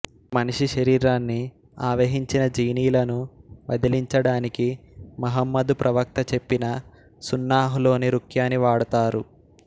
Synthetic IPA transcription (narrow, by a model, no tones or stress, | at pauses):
mɐniʂiʃɐɾiːɾaːnːi | aːʋɐɦiɲt͡ʃinɐd͡ʒiːniːlɐnuʋɐd̪iliɲt͡ʃɐɽaːnikimɐɦɐmːɐd̪upɾʔɐʋɐk̚t̪ɐt͡ʃe̞pːinɐ | sunːaːɦulo̞ːniɾukjaːniʋaːɽɐt̪aːɾu